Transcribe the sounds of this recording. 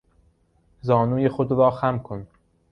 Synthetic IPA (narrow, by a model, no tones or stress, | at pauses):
zɒːnuːjexod̪ɾɒːxæmkʰon